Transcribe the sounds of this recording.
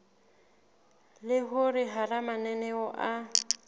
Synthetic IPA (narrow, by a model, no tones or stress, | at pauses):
lɪɦʊrɪɦaramanɛnɛɔʔa